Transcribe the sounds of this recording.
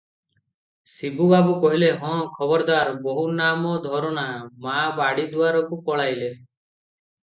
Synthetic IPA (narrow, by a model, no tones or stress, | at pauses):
sibubabukɔɦileɦɔ̃kʰɔbɔɾd̪aɾbɔɦunamɔd̪ʱɔɾɔnamabaɽid̪uaɾɔkupɔɭajle